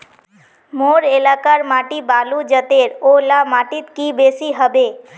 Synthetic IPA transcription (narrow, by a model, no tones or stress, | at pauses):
moːɾelaːkaɾmaːʈibaːlud͡ʒət̪eɾolamaːʈit̪kibesiɦəbe